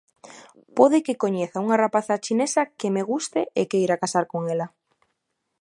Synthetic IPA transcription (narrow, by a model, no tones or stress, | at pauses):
poðɪkɪkoɲeθauŋarapaθat͡ʃinesakemeɣust̪ɪʔekeiɾakasaɾkoŋela